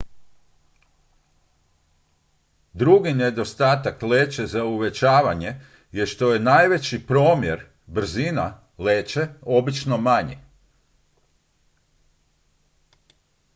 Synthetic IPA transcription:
d̪ɾuɡined̪o̞st̪aːt̪akle̞ːt͡ʃe̞zauʋe̞t͡ɕaːʋaɲe̞ | jeʃt̪o̞je̞najʋe̞t͡ɕipɾo̞ːmje̞ɾ | br̩zina̰ | le̞ːt͡ʃe̞o̞bit͡ʃno̞maɲḛ

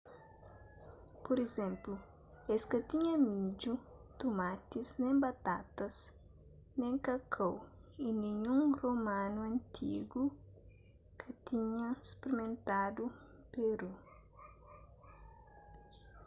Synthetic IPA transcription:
poɾezɛ̃mplu | eskɐt̪iɲɐmid͡ʒu | t̪umat̪iznẽbat̪at̪ɐs | nẽŋkɐkʰowinĩɲũŋromãnuɐ̃nt̪ʰḭɡu | kʰɐt̪iɲɐspeɾimẽnt̪ad̪u | peɾu

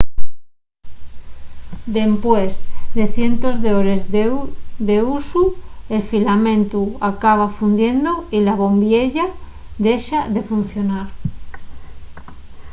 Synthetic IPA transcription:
d̪e̞mpwezd̪e̞θje̞nt̪o̞zðeoɾez | d̪eusue̞lfilamẽnt̪uakaβ̞afund̪je̞nd̪oilaβ̞o̞mbjeʎa | ðe̞ʃaðe̞fun̟θjo̞naɾ

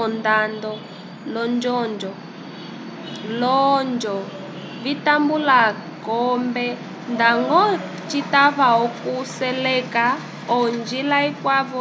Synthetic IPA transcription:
ɔndandɔ | lɔnd͡ʒɔnd͡ʒɔ | lɔnd͡ʒɔ | βitambulakɔmbɛ | ndaŋɡɔ | t͡ʃitaβaɦɔkusɛlɛka | ɔnd͡ʒilaikwaβɔ

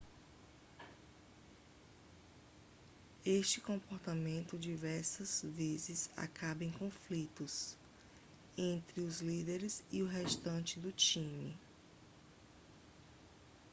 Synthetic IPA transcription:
eʃt͡ʃɪkõpoɾt̪amẽnt̪ʊd͡ʒivɛɾsɐz̥vezɪza̰kʰabɐẽj̃kõflit̪ʊs | ẽnt̪ɾɪʊzlid̪eɾɪziʊɦeʃt̪ɐ̃nt͡ʃɪd̪ʊt͡ʃĩmḭ

